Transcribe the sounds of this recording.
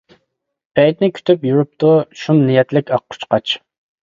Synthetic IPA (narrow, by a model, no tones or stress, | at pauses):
bɛjt̪nɪkʲʰy̥t̪ʰypjuɾup̚t̪uʃumnijɛt̪lɪkʲɑq̚ːʰʊ̥t͡ʃqʰɑt͡ʃ